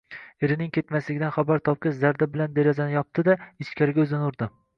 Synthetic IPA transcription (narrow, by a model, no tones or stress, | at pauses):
eɾɪnɪŋkʰʲe̞t̪maslɪɡʲɪd̪anχabaɾt̪ʰɒp̚kʲɪʃzaɾd̪abɪland̪eɾazanɪjɒp̚t̪ʰɪd̪aɪt͡ʃkʲʰaɾɪɡʲaɵzɪnʊɾd̪ɪ